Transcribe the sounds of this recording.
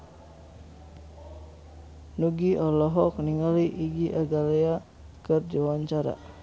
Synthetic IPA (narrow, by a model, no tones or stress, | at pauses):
nuɡiʔɔlɔɦɔk̚niŋaliʔiɡiʔaɡalea | kərd͡ʒawaɲt͡ʃaɾa̰